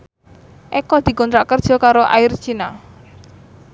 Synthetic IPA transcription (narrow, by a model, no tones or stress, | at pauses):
ʔɛkɔd̪̥i̤kɔnt̪ɾaʔkərd̥ʒ̥ɔ̤kaɾoʔa̰ɪr̥t͡ʃina